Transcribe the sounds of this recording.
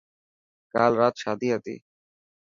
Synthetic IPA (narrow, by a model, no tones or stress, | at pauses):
ka̰lɾat̪ʃad̪iɦat̪ḭ